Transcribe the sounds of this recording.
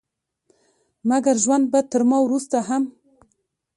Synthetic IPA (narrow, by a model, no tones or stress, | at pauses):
maɡaɾʒwand̪̚bat̪əɾmɑwɾust̪aɦam